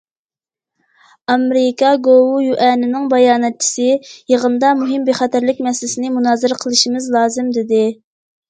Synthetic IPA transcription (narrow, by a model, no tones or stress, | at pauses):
ɑmɾɪkɑɡowujuʔɛnɪnɪŋbɑjɑːnɛt̪̚t͡ʃʰi̥sɪjeʁənd̪ɑmuɦɪmbeχɛt̪ʰæɾlɪkʲmɛsɪlɪsɪnɪmunɑːzɨɾɪqʰəlˠɨʃimɪzlˠɑːzɨmd̪ɪd̪ɪ